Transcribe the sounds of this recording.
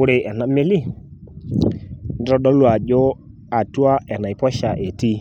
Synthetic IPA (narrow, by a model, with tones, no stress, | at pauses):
u˦ɾe˧ʔɛ˨na˨˦me˦li˦˨ | ndɾɔ˦˧ɗɔ˦lu˦a˨ʄɔ˦ | a˨tu˦a˦ɛ˨na˨i˨pɔ˦ʃa˨ʔɛ˨ti˦